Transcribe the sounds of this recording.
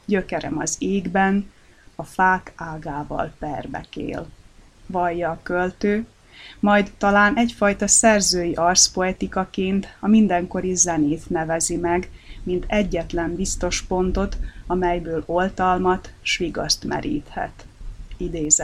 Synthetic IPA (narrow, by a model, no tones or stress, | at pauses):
ɟø̞kɛɾɛ̰mɒzeːɡbɛnɒfaːkaːɡaːvɒ̰lpɛrbɛ̰kḛːl | vɒjːɒːkølt̪øː | mɒjd̪t̪ːɒlaːnʔɛcfɒjt̪ɒsɛrzøːjiʔɒrspo̞ɛt̪ikɒkeːnt̪ɒmind̪ɛŋko̞ɾizɛneːt̪nɛvɛzimɛɡmint̪ɛɟːɛt̪lɛmbist̪o̞ʃpo̞nt̪o̞t̪ɒmɛjbøːlo̞lt̪ɒlmɒt̪ʃʋiɡɒst̪mɛ̰ɾʔḭːt̪hɛ̰t̪id̪eːzɛ